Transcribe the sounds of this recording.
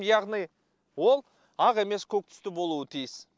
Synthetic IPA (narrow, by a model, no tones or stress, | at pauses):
jɑʁnij | wo̞lˠ | ɑʁe̞me̞skʲʰɵk̚t̪ʰʏ̥st̪ɪbo̞lˠuət̪ʰijɪs